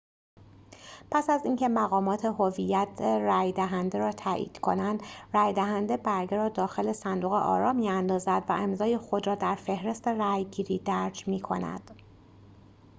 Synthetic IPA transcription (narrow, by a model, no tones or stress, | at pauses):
pʰæsæziŋcʰe̞mæɣɒːmɒːt̪ʰe̞ɦovijːæt̪ʰeræːjd̪æɦænd̪eɾɒːt̪ʰæʔḭːd̪̥kʰo̞̰nænd̪ræːjd̪æɦænd̪ebæɾɡeɾɒːd̪ɒːxe̞le̞sænd̪uːɣḛʔɒ̰ːɾɒːmiːænd̪ɒːzæd̪væ̰ʔe̞mzɒːjexo̞d̪ɾɒːd̪æɾfe̞hɾe̞st̪eræjɡiːɾiːd̪æɾd͡ʒmiːkʰo̞̰næ̰d̪̥